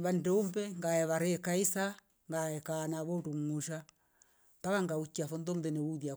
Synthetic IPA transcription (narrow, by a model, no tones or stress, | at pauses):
βandɛumbɛŋɡaɛβaɾɛkaisa | ŋɡaɛkanaβɔduŋuʃa | takaŋɡaut͡ʃːiafɔndɔndɛnɛuðja